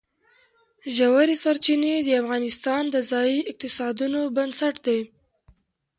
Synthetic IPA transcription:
ʒawaɾisaɾt͡ʃined̪əafɣɑnɪst̪ɑnd̪əzɑjiɪq̚t̪ɪsɑd̪unobansaʈd̪e

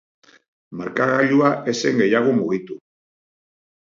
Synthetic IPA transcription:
maɾkaɣaʎuaʔe̞se̞ŋɡe̞jaɣ̞omuɣit̪u

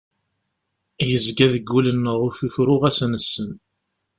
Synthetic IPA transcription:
jəzɡæðəɡːulənːəʁʊθuçɾʊʁæsənəsːən

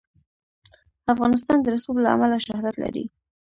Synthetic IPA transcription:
afɣɑnɪs̬t̪ɑnd̪əɾasublaa̰malaʃahd̪at̪la̰ɾḭ

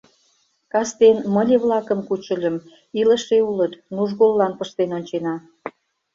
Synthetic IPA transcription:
kɑst̪enməlʲeβlɑkə̆mkut͡ɕə̆lʲə̆m | iləʃeulət̪nuʒɣolːɑnpəʃt̪enonʲt͡ɕenɑ

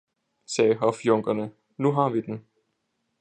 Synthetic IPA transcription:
sɛːɦɒfjɔŋɡ̥ɐnə | nuɦɑ̈ʋid̥en̩

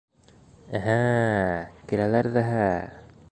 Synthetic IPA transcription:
æɦæ | kilælæɾðæɦæ

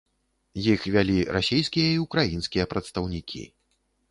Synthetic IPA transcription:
jixvʲalʲiɾʔasʲejskʲijɐiukɾajinskʲijɐpɾɐt̪st̪ɐwnʲikʲʰḭ

